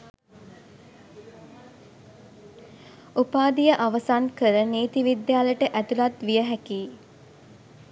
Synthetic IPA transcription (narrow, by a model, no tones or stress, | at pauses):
upaːd̪ijəʔaʋəsankəɾəneːt̪iʋid̪jaːləʈəʔæt̪ulat̪ʋijəɦækiː